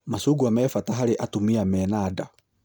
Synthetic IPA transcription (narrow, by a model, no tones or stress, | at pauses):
masuɡuamɛfataɦaɾeʔatumiamɛnada